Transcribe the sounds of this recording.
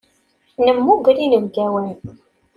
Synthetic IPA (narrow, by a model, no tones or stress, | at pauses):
nəmːuɡɾinəvɡæwæn